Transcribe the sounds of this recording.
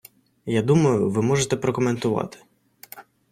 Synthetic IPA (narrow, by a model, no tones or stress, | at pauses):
jad̪umɐjʊʋɪmɔʒet̪ɛpɾɔkɔment̪ʊʋɑ̰t̪ɪ̥